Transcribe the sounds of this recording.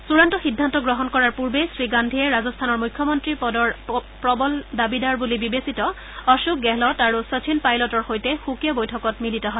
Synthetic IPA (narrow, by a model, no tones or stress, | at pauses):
suɹantɔxidʱːantɔɡɹɔɦɔnkɔɹaɹpuɹbesɹiɡandʱiɛɹazɔstʰanɔɹmujkʰːjɔmɔntɹipɔdɔɹ | pɹɔbɔldabidaɹbulibibesitɔ | ɔʃuk̚ɡɛlɔtaɹusɔt͡ʃʰinpajlɔtɔɹxojtɛxukijɔbojtʰɔkɔtmilitɔɦɔj